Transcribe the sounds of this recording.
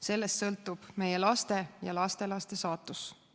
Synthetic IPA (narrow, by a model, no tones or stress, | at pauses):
se̞lːest̪sɤ̞lt̪ˑːub̥me̞je̞lɑst̪e̞jɑ̰lɑst̪e̞lɑst̪e̞sɑːt̪ːˑus